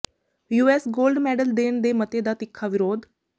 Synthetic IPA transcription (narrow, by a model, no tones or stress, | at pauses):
juːesɡolɖmeɽəld̪eɳd̪emət̪ed̪at̪ikʰːaʋiɾoːd̪